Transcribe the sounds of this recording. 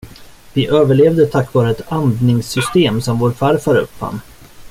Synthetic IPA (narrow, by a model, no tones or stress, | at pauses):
vɪʔøːvəɭeːvd̪ət̪ʰakːvɑːɾəɛt̪ʰand̪nɪŋsʏst̪eːmsɔmvoːɾfaɾfaɾɵ̰pːa̰nː